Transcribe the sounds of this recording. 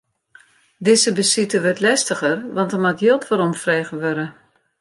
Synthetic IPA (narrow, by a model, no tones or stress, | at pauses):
dɪzəbəsitəʋøtlɛstəɣərʋɑntəmatjølˠtʋɔɾɔmfrɛːɣəʋøɾə